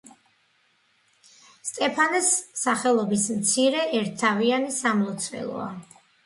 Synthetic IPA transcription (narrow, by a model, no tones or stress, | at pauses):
st̪ʼɛpʰanɛsːaχɛlˠɔbismt̪sʰiɾɛʔɛɾt̪̚ʰːavianisamlˠɔt̪sʰvɛ̰lˠɔ̰a